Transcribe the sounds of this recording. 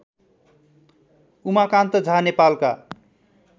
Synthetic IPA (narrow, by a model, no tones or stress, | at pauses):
umakãnt̪əd͡zʱanepalka̰